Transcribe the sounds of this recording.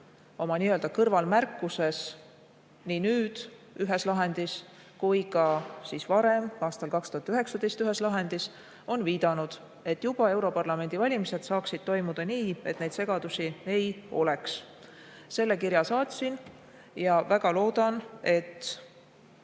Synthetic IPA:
o̞mɑniːøld̪ɑkɤrvɑlmærkːˑuse̞s | ninyːd̪̥ | yɦe̞slɑɦe̞nd̪̥is | kujkɑsisvɑɾe̞mɑːst̪ɑlkɑkst̪uhɑt̪ːyɦe̞ksɑd̪̥e̞jst̪yɦe̞slɑɦe̞nd̪̥is | o̞nviːd̪̥ɑnud̪̥ | e̞t̪ːˑjub̥ɑe̞wɾo̞pɑrlɑme̞nd̪ivɑlʲimise̞d̪̥sɑːksid̪̥̚t̪o̞jmud̪̥ɑniːe̞t̪ːˑne̞jd̪se̞ɡ̥ɑd̪̥usie̞jo̞̰le̞ks | se̞lːe̞kiɾjɑsɑːt̪ʲsin | jɑvæɡ̥ɑlo̞ːd̪̥ɑne̞t̪ː

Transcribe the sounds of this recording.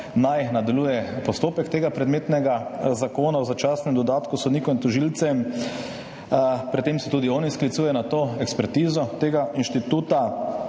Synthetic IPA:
najnad̪alujɛpɔst̪oːpɛkt̪eːɡapɾɛd̪meːt̪nɛɡazakoːnawzat͡ʃaːsnɛmd̪ɔd̪aːt̪kusɔd̪niːkɔint̪ɔʒilt̪sɛm | pɾit̪ːemsɛt̪uːd̪iɔːnisklit̪suːjɛnat̪oːɛkspɛɾt̪iːzɔt̪eːɡainʃt̪it̪uːt̪a

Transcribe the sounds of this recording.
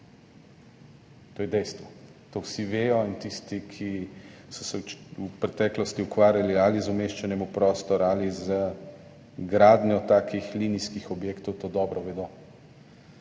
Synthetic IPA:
t̪oːjɛd̪ɛjst̪ʋɔ | t̪owsiʋeːjɔint̪ist̪ikʰisɔsɛupɾɛt̪ɛːklɔst̪iukʋaːɾjalializʊmeːʃt͡ʃɛnɛmupɾɔːst̪ɔɾaːlizə | ɡɾaːd̪njɔt̪aːkixliːniskixɔbjeːkt̪ɔwt̪oːd̪ɔbɾɔʋɛd̪o

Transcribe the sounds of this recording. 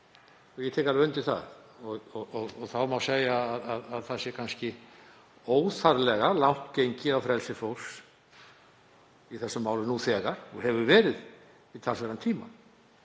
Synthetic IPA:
θɛjɛt̪ʰɛːkaɾvʏnt̪ɪθa̰ðɔɣɔɔɣɔɣθawmawseːjaːðaðaðθasjɛɾkʰanscɪ | oːwθaɾlɛɣalawht̪cejɲcɪawfɾɛlsɪfow̥s | iθɛsːʏmaːwlɪnuθɛːɣaɾ̥ɔɦɛvʏɾvɛːɾɪð | it̪ʰalsɛɾant̪ʰiːma̰

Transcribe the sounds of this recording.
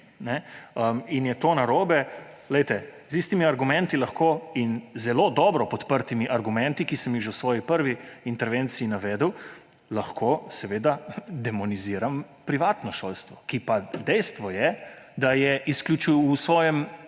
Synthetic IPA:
nɛəminjɛt̪oːnaɾoːbɛlɛjt̪ɛzist̪imiaɾɡumɛnt̪ilɐxkoːinzɛlod̪ɔːbɾɔpɔt̪pəɾt̪imiʔaɾɡumɛ̃nt̪ikisəmjixʒewsʋɔːjipəɾʋiːnt̪ɛɾʋent̪siinaʋɛːd̪əw | laxkʰosɛʋeːd̪ad̪ɛmɔniziɾam | pɾiʋaːt̪nɔʃolst̪ʋɔkipad̪ɛjst̪ʋɔjɛd̪ajɛʔisklʲut͡ʃuusʋɔːjɛm

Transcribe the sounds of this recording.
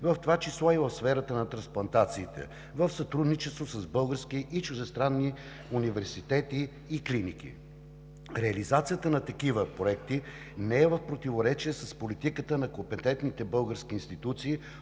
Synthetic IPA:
vɐft̪ovat͡ʃislˠɔivəfsfɛɾət̪ənɐt̪ɾɐ̃nsplˠɐnt̪at̪siːt̪ɛ̰ | vəfsɐt̪ɾud̪nit͡ʃɛst̪vosɐzbɤlˠɡəɾskiʔit͡ʃʊʒɛst̪ɾanːi | univɛɾsit̪ɛt̪iː | klinikḭ | ɾɛɐlizat̪sijət̪ənɐt̪ɐkivəpɾoɛk̚t̪i | nɛɛvɐfpɾot̪ivoɾɛt͡ʃiɛsɐspolit̪ikət̪ənɐkopɛt̪ɛnt̪nit̪ɛbɤlˠɡəɾskiːnst̪it̪ut̪siː

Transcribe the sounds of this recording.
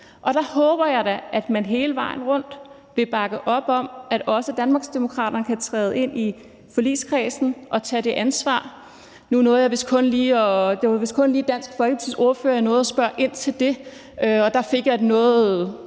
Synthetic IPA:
ʔɒ̽d̥ɑ̈hɔ̽ːb̥ɐjɑ̈ɪɾæʔæd̥mænɦe̝ːləʋɑ̈ɪ̰n̩ʁɔ̽n̰d̥ | ʋ̥e̝b̥ɑ̈ɡ̥ð̩ˠʔɒ̽b̥ɒ̽m̰æɾ̥ɒ̽səd̥ænmɑ̈ːɡ̥sd̥emo̝kʰʁɑ̰̈ːɾ̥ɐnəkʰæt͡sʰʁɛːð̞ˠe̝n̰i | fɒ̽lḭːskʰʁɛːsn̩ʔɒ̽t͡sʰɛd̥e̝ʔænsʋɑ̰̈ː | nunɔ̽ːð̩ˠjɑʋe̝skʰɔ̽nliːɒd̥eʋe̝skʰɔ̽nliːd̥æn̰sɡ̥fɒ̽lɡ̥ət͡sʰiðˠo̝ɐføːɐjnɔ̽ːð̩ˠɒsb̥ɶɐʔe̝n̰t͡sʰe̝ld̥e̝ | øɒ̽d̥ɑ̈fe̝ɡ̥jɑ̈ɪdenɔ̽ːð̩ˠ

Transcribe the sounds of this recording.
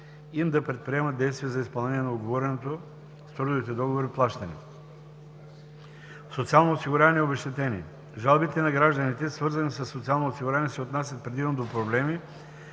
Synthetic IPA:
imd̪ɐpɾɛt̪̚pɾiɛmɐt̪d̪ɛjst̪viɛzɐispɐlˠnɛnijɛnɐoɡovɔɾɛnɛt̪o | st̪ɾud̪ʊvit̪ɛd̪ɔɡovoɾiplˠaʃt̪ɐnḭ | sot̪sialˠnoosiɡʊɾʲavɐniɛobɛʃt̪ɛt̪ɛnḭ | ʒalˠbit̪ɛnɐɡɾaʒd̪ɐnit̪ɛsvɤɾzɐnisɐsːot̪sialˠnosiɡuɾʲanɛsɛot̪nasʲjət̪̚pɾɛd̪ivnod̪opɾoblɛmi

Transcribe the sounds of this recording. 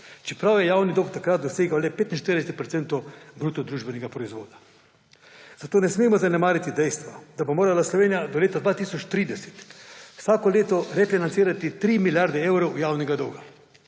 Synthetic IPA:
t͡ʃɛpɾawjɛjaːwnid̪owkt̪akɾat̪̚d̪ɔseːɡawlɛpeːt̪in̩ʃt̪eɾd̪ɛsɛt̪pɾɔt̪sɛnt̪ɔwbɾuːt̪ɔd̪ɾuːʒbɛnɛɡapɾɔizʋo̰ːd̪a | zat̪oːnɛsmeːmɔzanɛmaːɾit̪id̪ɛjst̪ʋɔd̪abomoːɾalaslɔʋeːnijad̪ɔleːt̪ad̪ʋaːt̪iːsɔt͡ʃt̪ɾiːd̪ɛse̥t̪wsaːkɔleːt̪ɔɾɛfinant̪siːɾat̪it̪ɾiːmiljaɾd̪ɛɛwɾowjaːwnɛɡad̪ɔwɡa

